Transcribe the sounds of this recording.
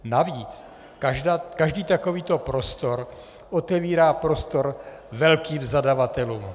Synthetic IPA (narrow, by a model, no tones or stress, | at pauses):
naviːt͡s | adakaʒdiːt̪akoviːt̪o̞pɾo̞st̪o̞ɾ | ʔot̪ɛviːɾaːpɾo̞st̪o̞ɾ | vɛlkiːmzadavat̪ɛluːm